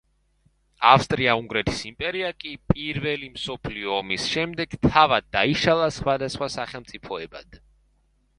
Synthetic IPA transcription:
afst̪ʼɾiauŋɡɾɛt̪ʰi̥simpʼɛɾiakʼipʼiɾvɛlimsɔpʰliɔːmisʃɛmd̪ɛɡ̥t̪ʰavad̪̚ːaiʃalˠasχwad̪asχwasaχɛlˠmt̪sʼipʰɔɛba̰d̪̥

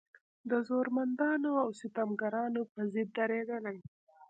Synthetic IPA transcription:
d̪əzoɾmand̪ɑnoawsɪt̪amɡaɾɑnopəzɪd̪̚ːaɾeɡ̪əlaj

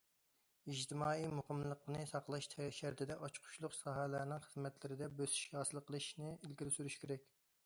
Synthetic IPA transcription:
id͡ʒt̪ʰɪmɑːijmuqəmlˠəqnɨsɑqlˠɑʃt̪ʰɛʃæɾt̪ʰɪd̪ɛʔɑt͡ʃqʰʊ̥ʃlˠʊqsɑɦɛlæɾnɪŋχəzmɛt̪lɪɾɪd̪ɛbøsy̥ʃhɑːsɨlˠqʰːəlˠɨʃnɨilɡʲiɾɪsyɾyʃkʲʰeɾɛk̚ʲ

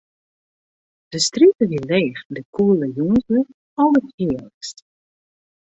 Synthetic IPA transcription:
d̥əstritəʋileːfdəkʰuəlˠəjunzə | ɔəthɪələkst

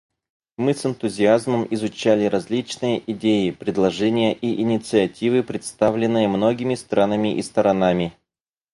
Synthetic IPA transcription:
mɨsɨnt̪ʊzʲɪazməmɪzʊt͡ɕælʲɪɾɐzʲlʲit͡ɕnɨjəʔɪdʲejɪpɾʲɪd̪lˠɐʐɛnʲɪjəʔiʔɪnʲɪt̪sɨɐtʲivɨpɾʲɪt̪st̪avlʲɪnːɨjəmno̞ɡʲɪmʲɪst̪ɾanəmʲɪʔist̪əɾɐnamʲɪ

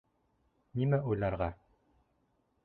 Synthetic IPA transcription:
nimæʔujlˠɑɾʁɑ

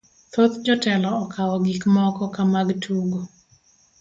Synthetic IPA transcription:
t̪ot̪d͡ʒɔtɛlɔːkʰawɔɡikmɔkɔkamaɡtʰuɡo

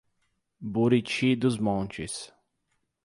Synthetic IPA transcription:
buɾit͡ʃʰid̪uzmɔ̃nt͡ʃis

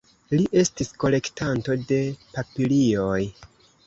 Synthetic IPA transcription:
liʔe̞stisko̞le̞ktanto̞de̞papilio̞j

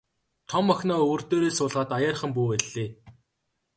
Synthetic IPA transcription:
t̪ʰɔmːɔxʲnɔːɵwɵ̆rt̪oːɾeːsʊːɮʁaːt̪ajaːrχə̆mpuːwæɮːeː

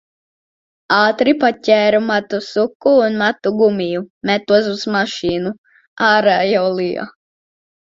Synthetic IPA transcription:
ɑːt̪ɾipacʲɛːɾumat̪usukːuːnmat̪uɡumijumɛt̪uɔs̬uz̥maʃiːnu | aːɾaːjawlˠija̰

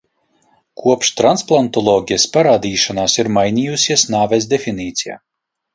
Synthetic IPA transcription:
kʰuɔpʃt̪ɾansplˠant̪ɔlˠɔːɡʲijaspaɾaːd̪iːʃanaːsiɾmajnʲiːjusʲiɛsnaːvɛz̬d̪ʲefiniːt̪sʲija̰ː

